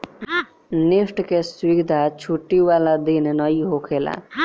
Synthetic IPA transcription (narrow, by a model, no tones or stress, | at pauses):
niʂʈkeswikd̪ʱat͡ʃʰuʈːiʋalad̪innʌiɦokʰela̰